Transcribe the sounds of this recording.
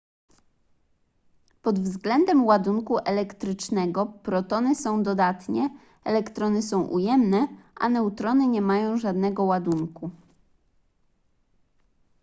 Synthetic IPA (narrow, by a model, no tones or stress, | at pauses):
pɔd̪vzɡlɛnd̪ɛmwad̪uŋkuʔɛlɛkt̪ɾɘt͡ʂnɛɡɔpɾɔt̪ɔnɘsɔ̃w̃d̪ɔd̪at̪ɲɛ | ɛlɛkt̪ɾɔnɘsɔ̃w̃ʔṵjɛmnɛʔa̰nɛut̪ɾɔnɘɲɛmajɔ̃w̃ʐad̪nɛɡɔwad̪uŋku